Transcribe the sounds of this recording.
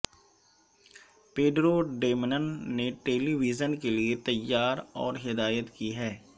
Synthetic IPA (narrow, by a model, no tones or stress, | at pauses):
peːɖɾoɖeːmɪnənːeʈeːliʋid͡ʒənkeliet̪ɐjːaːɾɔːɾɦɪd̪aːjət̪kiɦɛː